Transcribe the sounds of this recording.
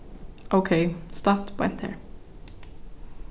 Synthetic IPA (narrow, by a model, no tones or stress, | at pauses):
ʔoʊkʰeɪst̪ɑtwɛ̰̃nt̪ɛ̰ːɹ